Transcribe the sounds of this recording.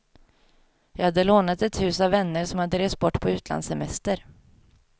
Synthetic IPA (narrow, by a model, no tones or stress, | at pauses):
jɑːɡhad̪ːəloːnat̪ɛt̪hʉ̟ːsavːɛnːəɾʂɔmhad̪ːəɾeːst̪̚bɔʈːpʰɔʉ̟ːt̪ʰla̰nd̪sɛmɛst̪əɾ